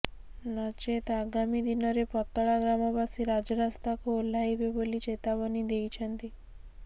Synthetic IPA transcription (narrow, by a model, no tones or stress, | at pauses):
nɔt͡ʃet̪aɡamid̪inɔɾepɔt̪ɔɭaɡɾamɔbasiɾad͡ʒɔɾast̪akuol̤ajbebolit͡ʃet̪aβɔnid̪ejt͡ʃʰɔnt̪i